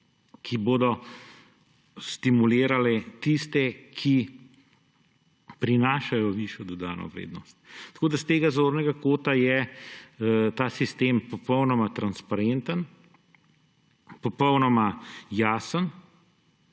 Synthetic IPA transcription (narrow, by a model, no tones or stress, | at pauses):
kʰiboːd̪ɔ | st̪imuleːɾalɛt̪ist̪ɛkʰi | pɾinaːʃajɔʋiːʃjɔd̪ɔd̪a̰ːnɔ̰ʋɾḛːd̪nɔst̪̚t̪ḁkoːd̪ast̪eːɡazoːɾnɛɡakoːt̪ajɛ | t̪aːsist̪eːmpɔpɔwnɔmat̪ɾanspaɾent̪ən | pɔpɔwnɔmajaːsən